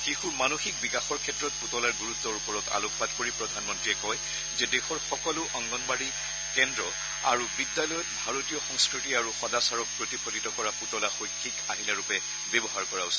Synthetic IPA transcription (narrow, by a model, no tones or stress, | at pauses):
xixuɹmanoxik̚bikaxɔɹkʰɛtːɹɔt̚putɔlaɹɡuɹut̪ːɔɹupɔɹɔta̰lokʰpatkoɹipɹɔdʱanmɔntɹijɛkɔj | zɛdɛxɔɹxɔkɔlʊʔɔŋɡɔnbaɹi | kɛndɹɔ | a̰ɹubidːalɔjɔtbʱaɹotijɔxɔŋskɹitiaɹuxɔdasaɹɔk̚pɹotipʰɔtitɔkɔɹaputɔlaxojkʰːikaɦilaɹupɛ | bɛbɔɦaɹkɔɹaʊsɔ̥